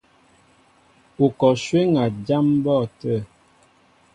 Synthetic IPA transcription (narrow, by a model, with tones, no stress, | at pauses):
u˨kɔ˨ʃwe˦ŋa˨d͡ʒa˦m˦bɔ˦˨tə˦˨